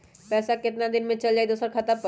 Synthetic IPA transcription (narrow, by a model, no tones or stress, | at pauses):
pɛːsakɪt̪nad̪ɪnmẽt͡ʃɐld͡ʒaːid̪oːsəɾkʰɐt̪əp